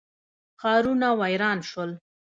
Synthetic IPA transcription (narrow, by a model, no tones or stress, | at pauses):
xɑɾunawajɾɑnʃəl